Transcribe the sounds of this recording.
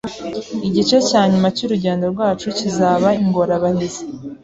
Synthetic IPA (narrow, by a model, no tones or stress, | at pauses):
iɟit͡ʃe̞caːɲumacuɾuɟeːndo̞ɾɡwaːt͡ʃucizaːβaiŋɡo̞ɾaβanize